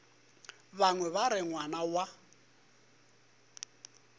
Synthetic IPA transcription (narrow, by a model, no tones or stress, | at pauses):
βaŋwɛβaɾɪŋwanawa